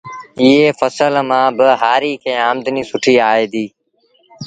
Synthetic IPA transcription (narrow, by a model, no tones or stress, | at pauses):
ɪɦeːfəsəlmãːbɪɦaːɾiːkʰẽːaːmd̪niːsʊʈʰiːaːeːd̪iː